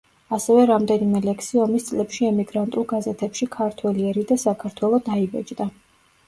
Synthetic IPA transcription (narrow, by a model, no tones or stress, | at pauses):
asɛvɛɾamd̪ɛnimɛlɛksiɔmist̪sʼlɛpʃiɛmiɡɾant̪ʼulˠɡazɛt̪ʰɛpʃikʰaɾt̪ʰwɛliɛɾid̪asakʰaɾt̪ʰwɛlˠɔd̪aibɛ̰d͡ʒd̪a